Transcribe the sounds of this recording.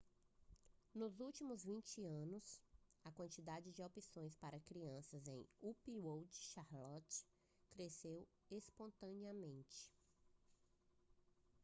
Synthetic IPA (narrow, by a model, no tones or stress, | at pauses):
nʊzuwt͡ʃimʊzvĩnt͡ʃɪɐ̃nʊsɐkwɐ̃nt͡ʃid̪ad͡ʒɪd͡ʒɪopisõj̃spaɾɐkɾiɐ̃sɐzḛ̃j̃upiwowd͡ʒɪ̥ʃaɾlɔt͡ʃ | kɾesew | espõnt̪ɐ̃niɐmẽnt͡ʃɪ̥